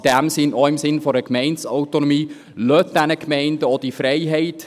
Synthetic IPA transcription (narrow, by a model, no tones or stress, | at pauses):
d̥æmsɪnɔɪmsɪnfɔɾəkmɛɪntsɔʊtonɔmiː | løt̚d̥ænəkmɛɪndəɔd̥ifɾɛɪɦɛɪt